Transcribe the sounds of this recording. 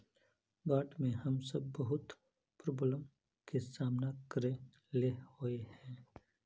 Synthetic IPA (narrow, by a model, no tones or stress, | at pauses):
baːʈmẽhɐmsɐb̚ːɐɦʊt̪ | pɾoːbləm | kesaːmnakəɾẽ | lehoehɛ̃ː